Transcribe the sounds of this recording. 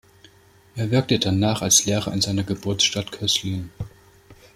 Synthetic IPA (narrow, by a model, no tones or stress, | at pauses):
ʔeːɐvɪɐk̚tədanaːχalsleːʁɐɪnzaɪnɐɡəbʊɐtsʃtatkʰœslin